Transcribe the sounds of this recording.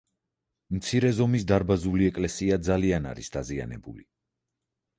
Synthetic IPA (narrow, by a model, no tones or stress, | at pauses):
mt̪sʰiɾɛzɔmisd̪aɾbazuliɛkʼlɛsiad̪zaliana̰ɾisd̪azia̰nɛbṵli